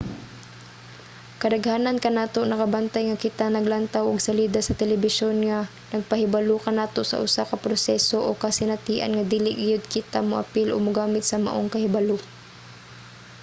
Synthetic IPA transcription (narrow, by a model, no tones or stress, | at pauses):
kɐd̪ɐɡhaːnɐnkɐnaːt̪onɐkabant̪ajŋakɪt̪anɐɡlant̪awʔʊɡsɐliːd̪asɐt̪ɛlɛbɪʃonŋa | nɐɡ̚pɐhɪbaluːkɐnaːt̪osɐ̰ʔʊsakɐpɾosɛsoʔokasɪnɐt̪iːʔa̰nŋɐd̪iːlɪɡɪjʊd̪̚kɪt̪amʊʔɐ̰pɪlʔoɡ̚mʊɡaːmɪt̪̚sɐma̰ʔoŋkɐhɪbalʊ